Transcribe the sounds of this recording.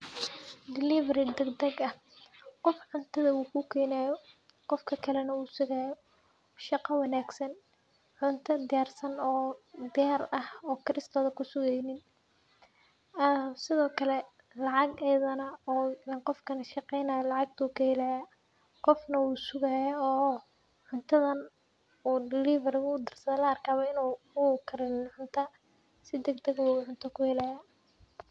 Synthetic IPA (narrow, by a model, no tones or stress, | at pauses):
d̪ɪlɪvɐɾɪd̪ɛɡd̪ɐɡɐh | qɔfʕʊnt̪ʰɐðɐwuːkʰʊkʰɛːnajɔ | qɔfkʰɐkʰɐlɛnɐwuːsʊɣaːjɔ | ʃɑqɐwɑnaːɡsɐn | ʕʊnt̪ʰɐd̪ɪjaːrsɐnɔːd̪ɪjaːrɐhɔːkʰɪɾɪst̪ʰɔːðɐkʰʊsʊɣɛjnɪn | sɪðɔːkʰɐlɛ | lɑʕɑɡɛjðɐnɐɔːɐqɔfkʰɐnɐʃɑqɛjnajɐlɑʕɑɡ̚t̪ʰuːkʰɐhɛlɐja | qɔfnɐwuːsʊɣɐjɐɔː | ʕʊnt̪ʰɐðɐn | uːdɪliːvɐrɪɣuːd̪ɪrsɐðɛlɐɐrkʰaːβɐɪnu | uːkʰɐɾɪnʕʊnt̪ʰa | sɪd̪ɛɡd̪ɐɣwuːʕʊnt̪ʰɐkʰʊhɪlaːjaː